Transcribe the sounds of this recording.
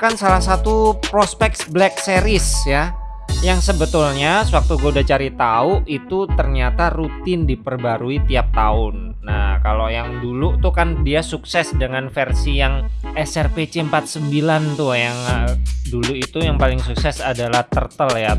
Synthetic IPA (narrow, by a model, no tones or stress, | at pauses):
kansalahsat̪upɾospɛk̚sblɛkseɾɪsja | jaŋsəbət̪ulɲasəwak̚t̪uɡuaudaht͡ʃaɾit̪aʊit̪ut̪ərɲat̪arut̪ɪndipərbaɾuit̪iap̚t̪aʊnːa̰kalojaŋdulut̪ukandiasuksɛsdəŋanfərsijaŋɛsɛrpet͡ʃeəmpat̪̚səmbilant̪ʊjaŋəduluit̪ujaŋpalɪŋsuksɛsadalaht̪ərt̪əlja